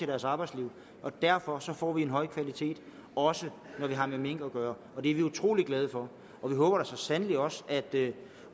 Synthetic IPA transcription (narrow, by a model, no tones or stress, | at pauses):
e̝ɾ̥æɐsɑ̈ːb̥ɑ̈ɪ̥sliʊ̰ | ʔɒ̽d̥æɐfɒ̽sɒ̽fɒ̰ːʋienɦɒ̽ɪ̰kʰʋælit͡sʰe̝̰ːd̥ | ɒ̽sənɒʋiɦɑ̈memeŋ̰ɡ̥əɒɡ̥ɶːɐ | ɒ̽d̥e̝æɐʋiut͡sʰʁo̝̰ːliɡ̥lɛð̞ˠəfɒ̽ | ʔɒ̽ʋiɦɔ̽ːb̥ɐɾ̥esɒ̽sænəli̥ɒ̽sæd̥